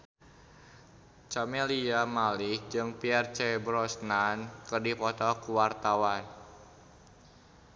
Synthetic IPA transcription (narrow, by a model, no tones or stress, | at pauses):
t͡ʃameliamalɪhd͡ʒɨŋpiɛrt͡ʃɛbɾɔsnankərdipɔt̪ɔkuwart̪awan